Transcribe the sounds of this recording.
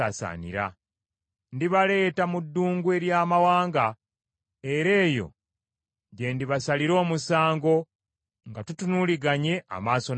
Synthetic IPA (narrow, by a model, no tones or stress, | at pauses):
a̰sa̰nḭɾa̰ | ndiβale̞ːtamudːuːŋɡue̞ɾjaːmawaːŋɡa | e̞ɾe̞ːjo̞̰ | ɟe̞ndiβasaliɾo̞ːmusaːŋɡo̞ | ŋɡatutunuliɡaɲe̞ʔa̰maːso̞